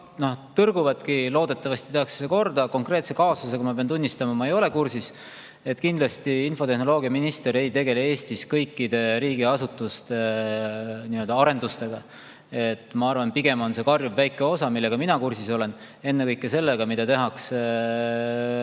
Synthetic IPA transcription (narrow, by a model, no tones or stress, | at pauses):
no̞ht̪ɤrɡ̥uvɑt̪kilo̞ːd̪̥e̞t̪ːˑɑvɑst̪i̥t̪ehɑkse̥d̥̪ɑko̞rd̪ɑko̞ŋkre̞ːt̪se̞kɑːsus̬e̞kumɑpeɑnt̪unʲːist̪ɑmɑmɑejo̞le̞kursis | e̞t̪ːˑkind̪lɑst̪iinfo̞t̪e̞hno̞lo̞ːɡiɑminist̪e̞ɾe̞jt̪e̞ɡe̞lee̞ːst̪iskɤjkːˑid̪e̞ɾiːɡiɑsut̪ːˑust̪e | niø̞ld̪ɑɑɾe̞nd̪̥ust̪e̞ɡ̥ɑ | e̞t̪ːˑmɑɑrvɑnpiɡe̞mo̞nse̞kɑrjvvæjkːˑe̞o̞sɑmilːe̞ɡ̥ɑminɑkursiso̞le̞n | e̞nːekɤjkːˑese̞lːeɡ̥ɑmid̪̥ɑt̪e̞ɦɑks